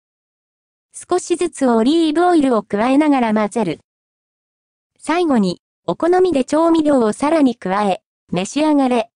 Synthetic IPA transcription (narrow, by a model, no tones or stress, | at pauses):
sɨ̥ko̞ɕizɨt͡sɨo̞ɾʲiːbo̞ːiɾɯ̟o̞kɯ̟βae̞naɡaɾamazeɾɯ̟ | saiɡo̞ɲ̟i | o̞ko̞no̞mʲid̪e̞t͡ɕo̞ːmʲiɾʲo̞ːosaɾaɲ̟ikɯ̟βae̞ | me̞ɕiaɡaɾe̞